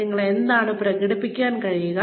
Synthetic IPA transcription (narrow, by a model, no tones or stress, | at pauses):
ɪŋɡɐɭɛnd̪aːnɯpːɪɾɐkɪɽɯpːɪkʲːeːnkɐɻɪjɯɣɐ